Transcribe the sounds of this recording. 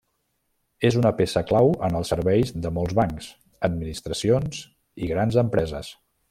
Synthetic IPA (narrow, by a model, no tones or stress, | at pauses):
ezunəpesəklawənəlˠsəɾβɛjzðəmolˠzβaŋks | əd̪̚minist̪ɾəsionz̥ | iɣɾanzəmpɾɛzə̰s